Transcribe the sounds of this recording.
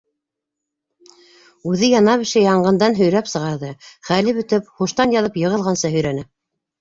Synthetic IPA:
ʉðɘjɑnɑpɘ̆ʃɘjɑɴɢɤ̆nd̪ɑnɦɵ̆jɾæpsɤ̆ʁɑɾðɤχælɘβɵ̆t̪ɘpχuʃt̪ɑnjɑðɤpjɤ̆ʁɤ̆lˠʁɑnsɤɦɵ̆jɾænɘ

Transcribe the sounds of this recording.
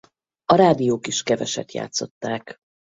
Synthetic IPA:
ɒɾaːd̪ijoːkiʃkɛvɛʃɛ̰t̪ja̰ːt̪so̞t̪ːaːk

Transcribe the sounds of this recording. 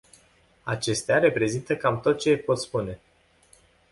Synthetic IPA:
at͡ʃe̞st̪eaɾe̞pɾe̞zint̪əkamt̪o̞t̪̚t͡ʃe̞po̞t̪spune̞

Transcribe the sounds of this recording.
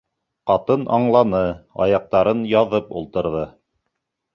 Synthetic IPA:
qɑt̪ɤnʔɑɴlˠɑnɤɑ̰jɑq̚t̪ɑɾɤnjɑðɤpulˠt̪ɤ̆ɾðɤ

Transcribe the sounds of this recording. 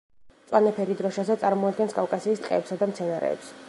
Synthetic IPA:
t̪sʼwanɛpʰɛɾid̪ɾɔʃazɛt̪sʼaɾmɔad̪̚ɡɛnskʼafkʼasiːst̪qʼɛ̰ːpsad̪amt̪sʰɛnaɾɛ̰ːps

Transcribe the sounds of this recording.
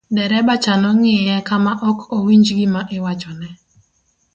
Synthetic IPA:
dɛɾɛbat͡ʃanɔŋɪjɛkamaʔɔkʰowiɲd͡ʒɡimaʔɪwat͡ʃɔnɛ

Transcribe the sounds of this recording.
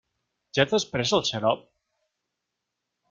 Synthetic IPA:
ʒaəspɾɛzəlˠʃəɾɔp̚

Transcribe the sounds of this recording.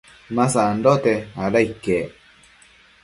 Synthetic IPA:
masandot̪eaɾaike

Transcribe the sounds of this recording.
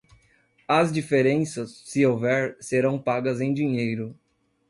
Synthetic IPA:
ɐzd͡ʒifeɾẽsɐsːɪowvɛɾseɾɐ̃w̃paɡɐzẽj̃d͡ʒiɲejɾʊ

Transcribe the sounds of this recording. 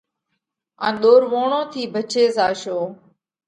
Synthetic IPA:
ã̰ːɗ̪oːɾʋoːɳõːt̪ʰiːbʱət͡ʃeːsaːʃoː

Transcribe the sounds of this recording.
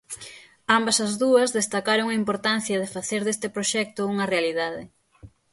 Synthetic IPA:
ambɐsɐzðuɐzðest̪akaɾoŋɐimpoɾt̪an̟θjɐð̞ɪfaθeɾðest̪ɪpɾoʃɛk̚t̪ʊuŋɐrealiðaðɪ

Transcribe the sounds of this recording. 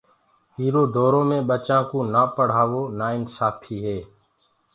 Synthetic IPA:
ɦiːɾoːd̪ʱoːɾõːmẽːɓət͡ʃãːkõːnaːpəɽ̤aːʋoːnaːɪnsaːpʰiːɦeː

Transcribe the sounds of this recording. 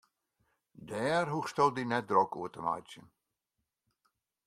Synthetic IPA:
dɛːrɦuxstɔlˠdinɛt̚drɔkuətəma̰jt͡sjən

